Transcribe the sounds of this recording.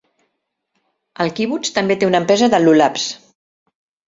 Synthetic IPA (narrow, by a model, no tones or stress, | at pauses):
əlˠkiβut͡ʃt̪əmbet̪eunəmpɾɛzəðəlulaps